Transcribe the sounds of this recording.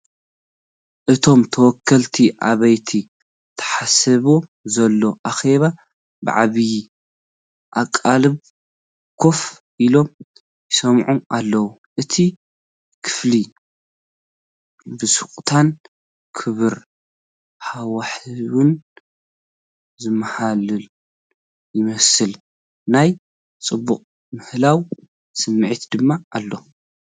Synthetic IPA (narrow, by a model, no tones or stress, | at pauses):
ʔɨt̪ʰo̞mt̪ʰɐwɔkʰːɐlt̪ʰiʔa̰βɐjt̪ʰi | t̪ʰɐ̥ħasɐβozɐlːo̞ʔaxe̞βa | bɨ̰ʕa̰βji | ʔakʼːalɨβ | kʰo̞f | ʔilo̞m | jɪsɐmʕuʔalːɐwu | ʔɨt̪ʰi | kʰɨ̥fli | bɨsukʼt̪ʰan | kʰɨβɨɾ | ħawaħwɨn | zɨmːahalɨl | jɪmɐsɨl | naj | t͡sʼɨbːuqʼ | mɨhlaw | sɨmːɨʕit̪d̪ɨmːaʔːlːo̞